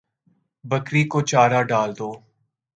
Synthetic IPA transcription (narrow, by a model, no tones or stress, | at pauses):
bəkɾiːkot͡ʃaːɾaːɖaːld̪oː